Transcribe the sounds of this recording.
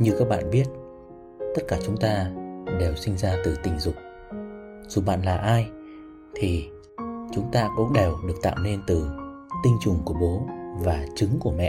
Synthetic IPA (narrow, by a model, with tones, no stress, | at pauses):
ɲɨ˨˩wkaː˦˥k̚ɓa̰ː˧˨nɓi˦˥ət̚ | t̪ə˦˥t̚kaː˧˩t͡ɕʊ˨˦ŋ͡mt̪aː˧ɗe˨˩wsï˧ŋ̟zaː˧t̪ɨ˨˩t̪ï˨˩ŋ̟zʊ˨˩k͡p̚ | z̥u˨˩ɓa̰ː˧˨nlaː˨˩ʔaː˧j | t̪ʰi˨˩ | t͡ɕʊ˨˦ŋ͡mt̪aː˧kʊ̰˧˥ŋ͡mɗe˨˩wɗɨ˨˩ək̚t̪a̰ː˧˨wne˧nt̪ɨ˨˩ | t̪ï˧ŋ̟t͡ɕʊ˨˩ŋ͡mku˧˩əɓo˨˦vaː˨˩t͡ɕɨ˨˦ŋku˧˩əmɛ̰˧˨ʔ